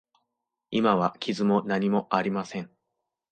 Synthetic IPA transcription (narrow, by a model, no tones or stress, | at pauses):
imaβakʲʰizɨmo̞naɲ̟imo̞ʔaɾʲimasẽ̞ɴ